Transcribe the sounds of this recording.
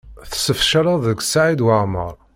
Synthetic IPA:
θə̥səfʃaɾaðəɡsaʕid̪waʕmə̰ɾˤ

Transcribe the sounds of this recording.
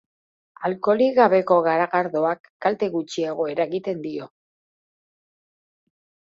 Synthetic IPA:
alko̞liɣaβe̞ko̞ɣaɾaɣaɾðo̞akːalt̪e̞ɣut͡ʃieɣ̞o̞e̞ɾaeɣit̪e̞nd̪io̞

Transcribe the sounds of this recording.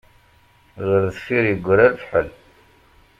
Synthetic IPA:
ʁəɾðθfiɾjəɡʷːəɾæɾfħəl

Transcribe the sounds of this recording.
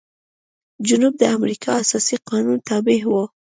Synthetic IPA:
d͡ʒʊnub̚d̪əamɾikʰɑasɑsiqɑnunt̪ɑbɪɦwo

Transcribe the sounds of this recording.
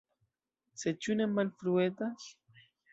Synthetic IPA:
set͡ʃunemanfɾuet̪a

